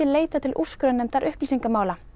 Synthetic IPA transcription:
ɪleːjt̪at̪ʰɪlʔu̥skɾœnːʏmt̪ʰaɾʔʏhplisiŋkamaːwla

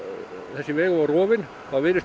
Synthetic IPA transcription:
æsiʋeikoʋoruoʋin | kɑʋiːɾes

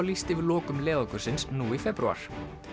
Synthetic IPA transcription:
wlist̪ɪvɪðlɔːkʏmlɛːðɔkʏɾ̥sɪnsnuːifɛpɾua̰ɾ̥

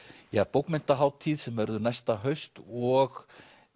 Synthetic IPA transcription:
japowkmɛn̥t̪aɦaːwt̪ʰiːðsɛmvɛɾðʏɾnajst̪aɦœɥst̪ɔɣ

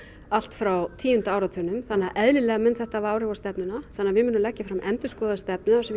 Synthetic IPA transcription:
al̥t̪fɾawt̪ʰiːjʏnt̪ʏaːwɾat̪ʰœnʏmθanːaðʔɛðlɪlɛːɣamɛnt̪θɛht̪avaːwɾɪvast̪ɛpnʏnaθanːavɪmʏnʏmlɛcːafɾamʔɛnt̪ʏskɔːðast̪ɛpnʏasɛm

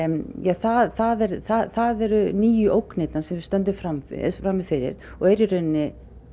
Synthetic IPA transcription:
jaθaθaðɛɾθaθaðɛɾʏniːjʏʔowknejt̪nansɛmvɪɾ̥st̪œnt̪ʏfɾamfɾamːɪfɪɾɪ̰ɾ̥ | ɔɣɛjɾɪrœnːɪ

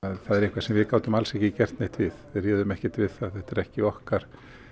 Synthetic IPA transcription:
aðθaðɛɾihkvasɛmvɪkaːwt̪ʏmalsɛhcɪcɛr̥t̪neht̪vɪðɪriːðʏmɛhcɪ̥t̪vɪðθaðθɛht̪ɛɾɛhcɪɔhkaɾ̥

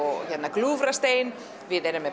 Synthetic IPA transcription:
janaklufrast̪eːn | ʋiədɛɾəmɛ

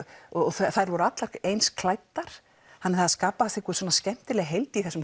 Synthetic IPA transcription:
ɔɔθaθajɾvɔɾʏat̪laɾ̥ejnskʰlaːjt̪ːaɾ̥ | hanːɛɾθaðaskaːpaasθɪkʰɔsɔnascɛm̥t̪ɪlɛɣɦejlt̪ɪiθɛsːʏm

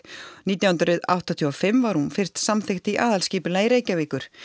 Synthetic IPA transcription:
niːt̪jawhʏnt̪ɾɪða̰wht̪at̪ʰiɔfɪmvaɾhunfɪr̥st̪samθɪxt̪ɪiʔaːðalsciːpʏlajɾeːjcaviːkʏɾ̥

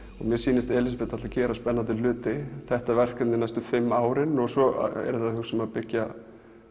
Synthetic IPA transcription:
ɔɣmjɛsiːnɪst̪ɛːlɪsapɛt̪ːat̪lacɛːɾaspɛnːant̪ɪlʏːt̪ɪθɛht̪avɛr̥kat̪nɪnajst̪ʏfɪmːaːwɾɪnɔɣsɔɛ̰ɾʏθaðhʏsɛmaðpɪcːa

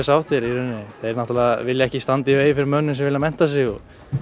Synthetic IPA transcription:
sawt̪ʰɛɾiɾʏnːɪθaɛɾnaht̪ɾalɛɣavɪljaɛhcɪst̪ant̪iveːjfɪɾɪɾmœnːɪnsɛmvɪlamɛn̥t̪as̬ɪɣɔ

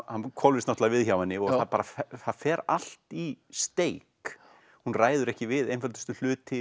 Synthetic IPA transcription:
hankʰvɔlvɪsnɔt̪avɪðçawɛnːɪɔɣaθapaːɾafɛθaðfɛːɾal̥t̪ist̪eːjk | hunraːjðʏɾɛhcɪvɪðejnfœlt̪ʏst̪ʏl̥ʏːt̪ʰɪ

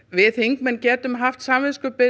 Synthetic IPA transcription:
vɪθhiŋkmɛncɛːt̪ʏmɦaft̪samvɪskʏpɪ

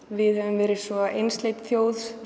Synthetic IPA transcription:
vɪðhœvʏmvɛːɾɪsvɔʔejnst̪lejt̪θjoːwðs

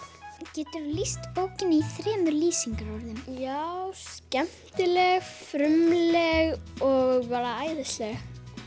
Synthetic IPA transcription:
cɛːt̪ʏɾlist̪oːwcɪnɪiθɾɛːmʏɾliːsiŋkaɾuɾðɪnjawscɛm̥t̪ɪlɛɣfɾʏmlɛɣɔɣvaːɾaaːjðɪst̪lɛɣ

